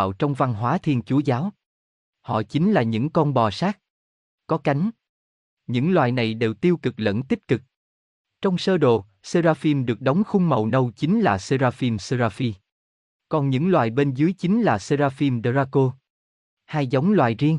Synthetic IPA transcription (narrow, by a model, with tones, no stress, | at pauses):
wt͡ɕɔ˧wŋ͡mva˧nɦwaː˨˦t̪ʰi˧ənt͡ɕu˨˦zaː˨˦w | hɔ̰˧˨t͡ɕi˨˦ŋlaː˨˩ɲɨ̰˧˥ŋkɔ˧nɓɔ˨˩saː˦˥k̚ | kɔ˨˦ka˨˦jŋ̟ | ɲɨ̰˧˥ŋlwa̰ː˧˨jna˨˩jɗe˨˩wt̪i˧əwkɨ˨˩k̚lə̰˧˥nt̪i˦˥p̚kɨ˨˩k̚ | t͡ɕɔ˧wŋ͡msəː˧ɗo̰˨˩ | səː˧zaː˧fi˧mɗɨ˨˩ək̚ɗə˨˦wŋ͡mxʊ˧ŋ͡mmə̰˧˨wnə˧wt͡ɕi˨˦ŋ̟laː˨˩sə˧zaː˧fi˧msə˧zaː˧fi˧ | kɔ˨˩nɲɨ̰˧˥ŋlwaː˨˩jɓe˧nzɨ˨˦əjt͡ɕi˨˦ŋ̟laː˨˩sə˧zaː˧fi˧mɗə˧zaː˧ko˧ | haː˧jzə˨˦wŋ͡mlwaː˨jzi˧əŋ